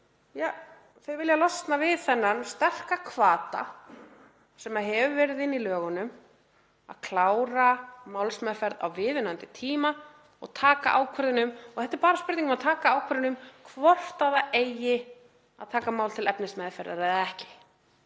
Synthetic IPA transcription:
ja | θœɥvɪljalɔst̪navɪðθɛnːanst̪ɛr̥kakʰvaːt̪a̰ | sɛmaɦɛvʏvɛːɾɪðɪnːilœːɣʏnʏm | a̰ðkʰlaːwɾamaːwlsmɛðfɛɾða̰wvɪːðʏnant̪ɪt̪ʰiːma | ɔ̰ɣt̪ʰaːka̰ʔaːwkʰvɛɾðɪnʏmɔɣθɛht̪ːɛɾpaːɾaspʏɾt̪iŋkʏmaðt̪ʰaːkaaːwkʰvɛɾðɪnʏmkʰvɔr̥t̪aðaejɪ | a̰ðt̪ʰaːkamaːwlt̪ʰɪlɛpnɪsmɛðfɛɾða̰ɾɛðɛhcɪ̥

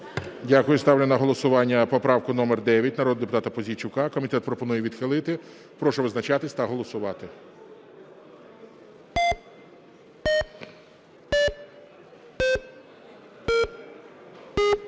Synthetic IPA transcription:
dʲakʊjʊst̪ɑwlʲɪnɐɦɔlˠɔsʊʋɑnʲːɐpɔpɾɑwkʊnɔmɛrd̪ɛʋʲjɐt̚ʲnɐɾɔd̪d̪epʊt̪ɑt̪ɐpɔzʲit͡ʃʊkɑkɔmʲit̪ɛt̪pɾɔpɔnujɛʋʲid̪xɪlˠɪt̪ɪ | pɾɔʃʊʋɪznɐt͡ʃɑt̪ɪsʲt̪ɐɦɔlˠɔsʊʋɑt̪ɪ

